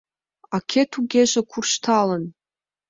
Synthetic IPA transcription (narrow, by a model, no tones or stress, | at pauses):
akʲʰetʰuɡʲeʒakʷʰurʃtʰalən